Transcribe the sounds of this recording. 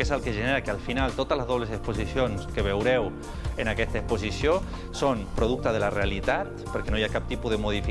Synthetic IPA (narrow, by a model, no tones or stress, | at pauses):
esalˠkeʒəneɾakealˠfinalˠt̪ot̪əzləzðoβlesesposisjonskeβ̞ewɾɛw | enakɛst̪əesposisio | sompɾoðuk̚t̪əðelarealit̪at̪pəɾkenojakap̚t̪ipuðemuðifi